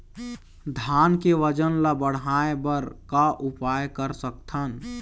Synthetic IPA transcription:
d̪ʱaːnkeʋəd͡ʒənlabəɽ̤ɦaebəɾkaʔʊpaːjkəɾsəkt̪ʰən

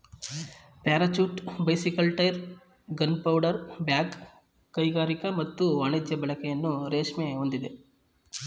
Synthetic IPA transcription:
paːɾɐt͡ʃuːʈbɐjsikɐlʈɐjɾ | ɡɐnpɐwɖɐɾbjaːkː | ɐjɡaːɾikɐmɐt̪ːuɐɳed͡ʒjɐbɐɭɐkɛjɐnːuɾeːʂmeond̪id̪e

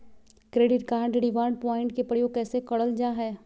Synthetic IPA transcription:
kɾeːɖɪʈkaːɳɖɖɪʋaːɾɳɖ̚pɔːɪ̃ɳʈkepɾəjoːɡ̚kɛːsekɐɽəld͡ʒaːɦɛː

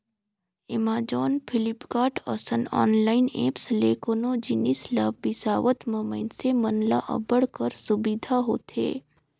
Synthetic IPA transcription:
ɪmaːd͡ʒɔːnpʰɪlɪpkaːʈə̰sənɔ̰ːnlaːɪneːpsleːkonod͡ʒɪnislaːbbɪsaːʋət̪məməɪnsemənla̰ʔə̰bəɽkəɾsʊbid̪ʱaɦo̰ːt̪ḛː

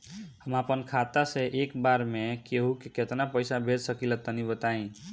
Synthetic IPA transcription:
həmapənkʰat̪asẽʔekbaɾmekeɦukeket̪napəjsabʱed͡ʒsəkilət̪ənibət̪aĩ

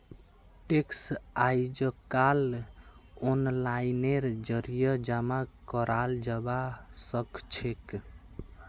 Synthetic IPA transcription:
ʈeksajd͡ʒəkal | onlaineɾd͡ʒəɾijəd͡ʒamakəɾʔald͡ʒəbasəkt͡ʃʰek

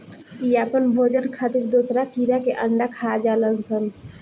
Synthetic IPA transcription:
iapənbʱod͡ʒənkʰat̪iɾd̪osɾapiɾakeʔəɳɖakʰad͡ʒaləlt͡ʃʰən

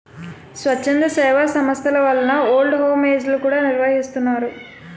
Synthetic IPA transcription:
sʋɐt͡ʃːend̪ɾɐsɛːʋaːsɐmɐst̪ʰɐlɐʋɐlːɐnɐoːlɖɦoːmeːslukuːɽaːniɾʋɐɦist̪unːaːɾu

